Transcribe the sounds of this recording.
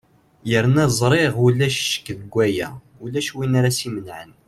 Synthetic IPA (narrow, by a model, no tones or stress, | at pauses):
jəɾnæzˤɾˤeʁulæʃʃə̥kːðɡʷæjæ̰ | ulæʃwinaɾasimənʕən